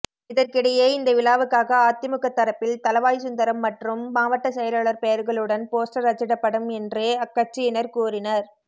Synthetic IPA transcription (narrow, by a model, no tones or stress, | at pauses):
ɪðɐɾkɪɽɐjeːɪnd̪ɐʋɪlaːʋɯkːaːɣɐaːt̪ɪɐmɯkːɐt̪ːɐɾɐpːɪlt̪ɐlɐʋaːjsʊnd̪ɐɾɐmːɐʈrɯmːaːʋɐʈːɐsɛjɐlaːɭɐɾpɛjɐɾɣɐɭɯɽɐnpoːsʈɐɾɐt͡ʃːɪɽɐpːɐɽɯmɛndrɯɐkːɐʈ̚t͡ʃɪjɪnɐɾkuːrɪnɐɾ